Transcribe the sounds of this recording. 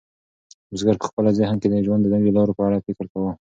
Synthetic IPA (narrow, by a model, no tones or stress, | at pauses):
ʊzɡaɾpə̥xpəlazɪhnked̪aʒwand̪ənawjolɑɾopəaɽafɪkɪɾkawə